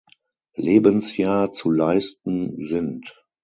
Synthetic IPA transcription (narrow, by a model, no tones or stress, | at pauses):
leːbənsjaːɐt͡sulaɪstn̩zɪnt